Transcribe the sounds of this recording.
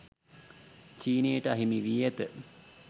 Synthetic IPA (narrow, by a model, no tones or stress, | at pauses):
t͡ʃiːnejəʈəaɦimiʋiɛt̪ə